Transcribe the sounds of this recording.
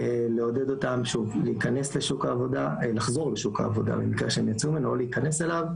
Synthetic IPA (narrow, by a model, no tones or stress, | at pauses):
ele̞o̞d̪ed̪o̞tamʃuvleikane̞sleʃukaːvo̞dalaχzo̞ʁleʃuka̰ːvo̞d̪a̰bḛmikaʃeemjat͡sumenoleikane̞selav